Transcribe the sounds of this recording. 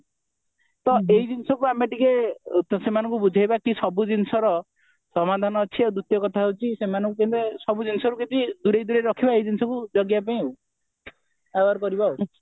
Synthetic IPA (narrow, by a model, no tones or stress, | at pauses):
t̪ɔeid͡ʒinsɔkuamaʈikesemanɔ̃ŋkubud͡ʒʱajbakisɔbud͡ʒinsɔɾɔ | sɔmad̪ʱanɔːt͡ʃʰiewd̪ut̪jɔkɔt̪ʰaɦowt͡ʃʰisemanɔ̃ŋkukent̪esɔbud͡ʒinsɔkuket̪id̪uɾejd̪uɾeɾɔkʰibaejd͡ʒ̪insɔkud͡ʒɔɡjapaĩ | awaɾkɔɾibao